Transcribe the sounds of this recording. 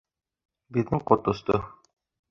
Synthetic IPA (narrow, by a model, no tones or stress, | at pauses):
biðnɘŋqŏt̪ŏst̪ɤ